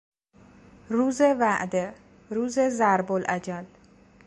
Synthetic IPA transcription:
ɾuːzevæʔd̪e | ɾuːzezæɾbolʔæd͡ʒæl

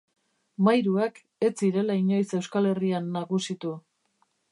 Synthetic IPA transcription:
majɾuak | e̞t͡siɾe̞laiɲo̞jse̞wskale̞rianːaɣusit̪u

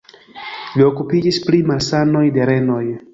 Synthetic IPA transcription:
lio̞kupid͡ʒisplimalsano̞jde̞ɾe̞no̞j

